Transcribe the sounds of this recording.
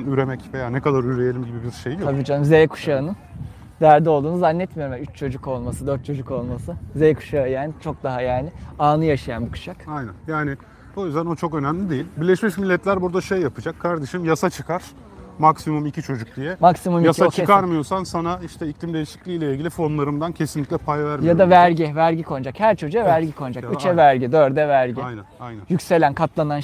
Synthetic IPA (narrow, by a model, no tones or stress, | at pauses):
nyɾe̞mɛcve̞jaːnɛkad̪aɾyɾejelʲimɟibibiɾʃejijabid͡ʒanmzejɛkʰu̥ʃaɯnɯ | d̪æɾd̪ɛolˠd̪uːnuzanːɛt̪mijo̞ɾumɛyt͡ʃt͡ʃʰo̞d͡ʒuko̞lˠmasɯd̪ø̞ɾt̪̚t͡ʃʰo̞d͡ʒuko̞lˠmasɯzejkʰu̥ʃajaːnɪt͡ʃʰo̞k̚d̪aɦajaːnɪaːnɯjaʃajanbikʰu̥ʃakajnænjaːnɪ | bo̞jyzd̪æno̞t͡ʃʰo̞kø̞nɛmlʲid̪ejilʲbiɾlʲɛʃmiʃmilʲːɛt̪lʲæɾbuɾd̪aʃejːapʰɯd͡ʒakʰːaɾd̪e̞ʃimjasat͡ʃʰɯkʰaɾ̥ | maksimumicʰit͡ʃʰo̞d͡ʒuk̚d̪ijɛmaksimumjasat͡ʃkaɾmɯjo̞sansanaiʃt̪ʰɛiclimd̪ejiʃi̥clʲiːlʲɛilʲɟʲilʲifo̞nlˠaɾɯmd̪ancʰe̞sinlʲiclʲɛpʰajvæɾmjad̪avæɾɟivæɾɟikʰo̞nd͡ʒakhæɾt͡ʃʰo̞d͡ʒuavæɾɟikʰo̞nd͡ʒakyt͡ʃɛvæɾɟid̪øɾd̪ɛvæɾɟijnɛajnæjycse̞lʲænkʰat̪lˠanan